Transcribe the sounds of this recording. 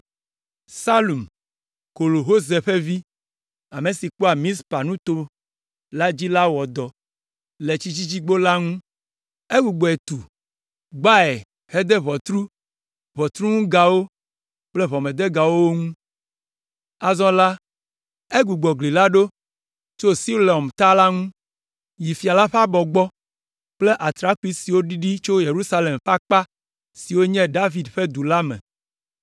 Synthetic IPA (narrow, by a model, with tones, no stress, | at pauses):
sa˦lu˨m | ko˨lo˨ɦo˦ze˨ɸe˦vi˦ | a˨me˨si˨k͡pɔ˦a˨mĩ˦spa˨nũ˦t̪o˦ | la˦d͡ʑi˦la˦wɔ˨d̪ɔ˨ | le˨t͡ɕi˦t͡ɕi˦t͡ɕi˦ɡ͡bo˦la˦ŋũ˦ | e˦ɡu˨ɡ͡bɔ˨e˨t̪u˨ | ɡ͡ba˦ɛ˨ | he˦d̪e˦βɔ˨t̪ɾu˦ | βɔ˨t̪ɾu˦ŋũ˦ɡa˨wo˦ | k͡plɛ˦βɔ˨me˨d̪e˦ɡa˨wo˦wo˦ŋũ˦ | a˨zɔ̃˦la˦ | e˦ɡu˨ɡ͡bɔ˨ɡli˨la˦ɖo˦ | t͡ʃo˦si˦le˨ɔ˨mt̪a˦la˦ŋũ˦ | ji˨fi˨a˨la˦ɸa˦bɔ˨ɡ͡bɔ˦ | k͡ple˦ʔa˨t̪ɾa˦ku˦i˦si˨wo˦ɖi˦ɖi˦t͡ʃo˦je˨ɾu˦sa˦le˨mɸa˦k͡pa˦ | si˨wo˦ɲɛ̃˦ɖa˦vi˨d̪ɸɛ˦d̪u˨la˦mɛ̰̃˨